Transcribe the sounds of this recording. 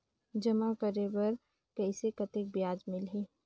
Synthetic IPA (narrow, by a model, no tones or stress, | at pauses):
d͡ʒɐmakəɾebɐɾ | kɐsekɐt̪ɪk̚bjaːd͡ʒmɪlɦeː